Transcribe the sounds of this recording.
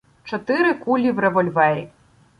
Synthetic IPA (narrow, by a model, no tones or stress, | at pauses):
t͡ʃɔt̪ɪɾɪkulʲiwrɛʋɔlʲʋɛɾḭ